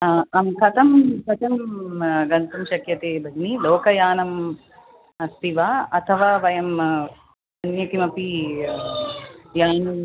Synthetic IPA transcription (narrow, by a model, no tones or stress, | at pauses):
ɐmkʰɐt̪ʰɐmkʰɐt̪ɐmɡɐnt̪ɐmʃɐkjɐt̪ebʱɐɡnilɔːkɐjaːnɐm | ɐst̪iʋaːɐt̪ʰɐʋaːʋɐjɐm | ɐnjɐkimɐpi | jaːnu